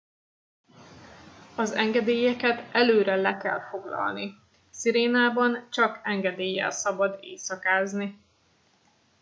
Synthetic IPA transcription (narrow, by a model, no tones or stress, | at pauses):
ɒzɛŋɡɛd̪eːjɛkɛt̪ɛløːɾɛlɛkɛ̰lfo̞ɡlɒ̰lni | siɾeːnaːbɒnt͡ʃɒkɛŋɡɛd̪eːjːɛ̰lsɒbɒd̪ḛːsɒkaːzni